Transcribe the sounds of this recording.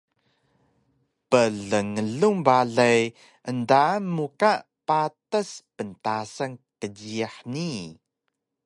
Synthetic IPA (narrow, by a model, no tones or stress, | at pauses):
pəɮəŋəɮumbaɮaj | ʔəndamːukaʔ | patəspəntasəŋkədiaħni